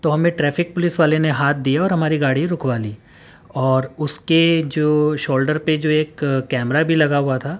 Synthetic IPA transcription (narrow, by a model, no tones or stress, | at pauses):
t̪oɦɐmẽʈɾɛːfɪk̚pʊlɪsʋaːleneɦaːt̪̚ʰd̪ijaɔːɾɦɐmaːɾiɡaːɽiɾʊkʰʋaːliː | ɔːɾʊsked͡ʒoːʃoːlɖəɾped͡ʒoːeːkkːɛːmɾabʱilɐɡaɦʊat̪ʰaː